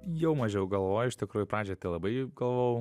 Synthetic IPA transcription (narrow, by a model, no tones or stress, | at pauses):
jɛʊmɐʒʲɛʊɡɐlˠʋoːjʊɪʃt̪ʲɪkɾuːjʊpɾɑːd͡ʒʲɛt̪ɪlˠɐbɐɪɡɐlˠʋoʊ